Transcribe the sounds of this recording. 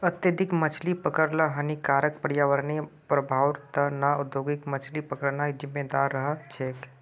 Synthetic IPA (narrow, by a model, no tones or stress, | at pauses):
ət̪jəd̪ʱikmət͡ʃʰlipəkəɾləɦənikaɾək̚pəɾjaʋəɾnepɾəbʱaːwt̪ənaud̪joɡikmət͡ʃʰlipəkəɾnajd͡ʒɪmːed̪aɾːəɦət͡ʃʰek